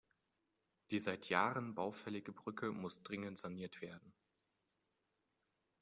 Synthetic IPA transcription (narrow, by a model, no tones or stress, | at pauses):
d̥iːzaɪtʰjaːʁənbaʊfɛlɪɡəbʁʏkʰəmʊsd̥ʁɪŋəntz̥aniːɐtv̥eːɐdn̩